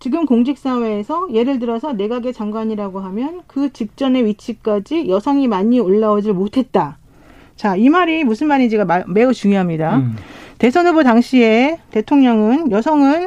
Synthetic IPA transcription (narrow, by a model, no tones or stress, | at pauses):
t͡ɕiɡɯmkoŋɕʰik̚s͈awe̞ːsʰʌje̞ɾɯɭtɯɾʌsʰʌne̞ɡaɡe̞t͡ɕaŋɡwaɲiɾaɡoɦamjʌnkɯt͡ɕipk̚t͡ɕ͈ʌne̞ɥit͡ɕʰik͈ad͡ʑijʌsʰʌŋimaɲioɭːawʌd͡ʑiɭmotʰe̞t̚t͈a | t͡ɕaimaɾimusʰɯnmaɲid͡ʑeɡame̞ut͡ɕuŋjʌɦamɲidate̞sʰʌnubutaŋɕʰie̞te̞tʰoŋɲʌŋɯnjʌsʰʌŋɯn